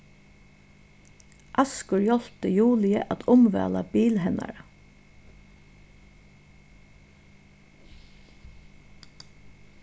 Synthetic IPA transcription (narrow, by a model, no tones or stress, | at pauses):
ʔɑskʊɹjɔl̥p̚t̪əjuːlɪəʔat̪ʰʊmʋæ̰ːlabiːlɦɛna̰ɾə